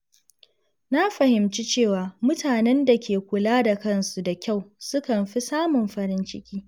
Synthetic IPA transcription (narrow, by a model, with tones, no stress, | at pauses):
na˦ɸɐ˨hɪ˨mt͡ʃi˦t͡ʃeː˦˨waː˨mʊ˦taː˨nɛ˦nda˨kʲeː˨kʷʊ˨laː˦da˨kɐ˦nsu˨da˨kʲa˦˨wsʊ˦kɐ˨mɸi˦saː˦mʊ˨mɸɐ˨ɾɪ˦nt͡ʃɪ˦kʲiː˦